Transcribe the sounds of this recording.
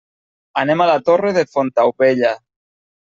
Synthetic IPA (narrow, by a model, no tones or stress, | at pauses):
anemalat̪oreðefont̪awpeʎa